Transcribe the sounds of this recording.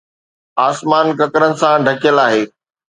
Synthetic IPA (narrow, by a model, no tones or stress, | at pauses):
aːsmaːnkɐkɾənɪ̆sãɖʱɐkɪjəlaːɦeː